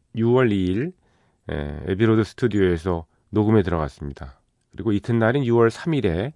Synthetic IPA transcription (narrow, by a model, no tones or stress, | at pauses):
juwʌɾiːɭ | ḛḛbiɾodɯsʰɯ̥tʰudijoe̞sʰʌ | noɡɯme̞tɯɾʌɣa̰s͈ɯmɲida | kɯɾiɡoitʰɯnːaɾɯnjuwʌɭsʰamiɾe̞